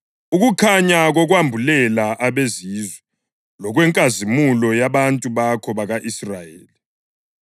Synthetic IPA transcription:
uɣukʰaɲaɣɔɣwambʱulɛlaʔaβezizwɛ | lɔɣwɛŋkʼazimulɔjaβantʼuβakʰɔβaɣaʔisrajeːli

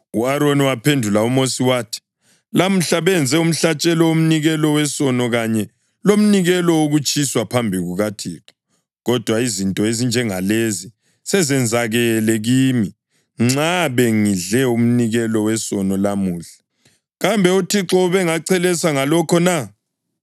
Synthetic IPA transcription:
uaɾoniwapʰendʱulaumosiwaːtʰi̥ | lam̩ɬaβɛnd͡zʱɛum̩ɬat͡ʃʼɛlɔom̩niɣɛlɔwɛsɔnɔɣaɲɛ | lom̩niɣɛlɔoɣut͡ʃʰʼiswapʰambʱiɣuɣatʰiːǁɔ̥ | ɣɔd̥ʱwaizintʼɔezind͡ʒʱɛŋalezi | sɛzɛnd͡zʱaɣɛlɛɣiːmi | ŋ͡ǁaβeŋiɮɛum̩niɣɛlɔwɛsɔnɔlamuːɬḁ | ɣambʱɛutʰiǁɔβɛŋaǀɛlɛsaŋalɔkʰɔna

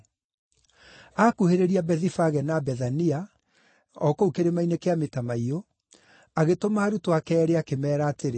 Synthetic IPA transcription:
akuheɾeɾiabɛðifaɣɛnabɛðania | ɔkoukeɾemainekeametamaio | aɣetomaːɾutoakɛːɾeakemɛːɾaːteɾe

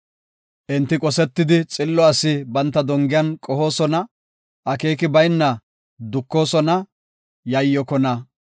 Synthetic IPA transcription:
ʔɪnt̪ːɪkʼɔsɛt̪ːɪd̪ɪt͡sʼɪlːɔɐsɪbɐnt̪ːɐd̪ɔŋɡɪjɐnkʼɔho̞ːsɔnɐ | ʔɐke̞ːkɪbɐjnːɐ | d̪ʊkːo̞ːsɔnɐ | jɐjːɔkɔnɐ

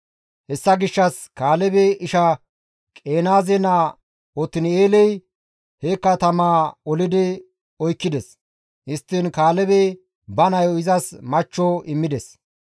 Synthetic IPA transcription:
hɛsːɐɡɪʃːɐs | kaːlɛbɛʔɪʃɐ | kʼe̞ːnaːzɛnɐ | ɔt̪ːɪnɪeːlɛj | hekːɐt̪ɐmaːɔlɪd̪ɪ | ɔjkːɪd̪ɛs | hɪst̪ːɪnkaːlɛbe | bɐnɐjɔɪzɐsmɐt͡ʃːoɪmːɪd̪ɛs

